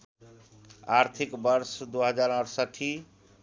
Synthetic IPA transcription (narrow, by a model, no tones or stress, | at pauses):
aɾt̪ʰikbʌɾsd̪uɦəd͡ʒaɾəɽsəʈʰi